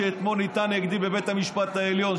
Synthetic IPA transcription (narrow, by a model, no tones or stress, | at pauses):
eːt̪monit̪aneɡd̪ibebet̪hamiʃpat̪aeljon